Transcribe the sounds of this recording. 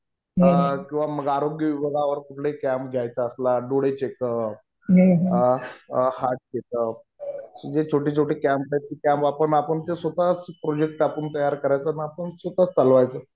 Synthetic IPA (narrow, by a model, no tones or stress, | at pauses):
ɦəkĩw̃ʋaməɡaɾoɡjəʋibəɡaʋəɾkuʈ̪ʰlekæmpɡʱjajt͡səəslaɖoɽet͡ɕekəp̚ | ɦeɦ | haʈ̚ɡet̪əp | sid͡ʑet͡ɕʰoʈiːt͡sʰoʈiːkæmp̚ɡat̪ikampapəɳapəɳt̪esʋət̪at͡spɾod͡ʑek̚ʈapəɳt̪əjaɾkəɾajt͡səniapəɳsət̪at͡st͡salʋajt͡səː